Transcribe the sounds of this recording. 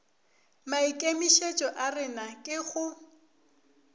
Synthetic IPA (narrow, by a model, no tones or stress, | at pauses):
maikʼemiʃet͡ʃʼɔʔarɪnakʼɪχʊ